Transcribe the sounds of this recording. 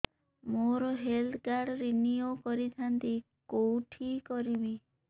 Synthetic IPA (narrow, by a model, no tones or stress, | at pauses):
moɾɔɦeld̪kaɾɽɾinijokɔɾit̪ʰant̪i | kowʈʰikɔɾibi